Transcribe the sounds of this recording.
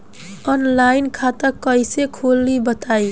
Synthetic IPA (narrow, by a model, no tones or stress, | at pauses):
ɔnlainkʰat̪əkːəisekʰolːibət̪ai